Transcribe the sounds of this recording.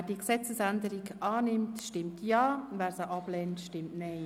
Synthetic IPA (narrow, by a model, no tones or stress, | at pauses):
d̥iəksɛt͡səsændəɾikɑːnɪmtʃtɪmtjɑːvæːɾsəʔɑblɛːntʃtɪmtnɛɪ